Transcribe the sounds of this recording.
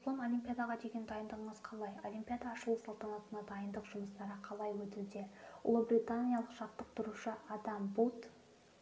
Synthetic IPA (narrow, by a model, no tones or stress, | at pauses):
lˠomo̞lʲimpʲijad̪ɑʁɑd̪e̞ɡʲe̞nd̪ɑjənd̪əʁəɴəzqʰɑlˠɑjolʲimpʲijad̪ɑːʃəlˠəsɑlˠt̪ɑnɑt̪ənɑd̪ɑjənd̪əqʒ̥ʊməst̪ɑɾəqʰɑlˠɑjwɵt̪ud̪e̞ʊ̰lˠəbɾʲit̪anʲijɑlˠəqʃɑt̪ːəq̚t̪ʰʊɾuʃəʔɑd̪ɑmbut̪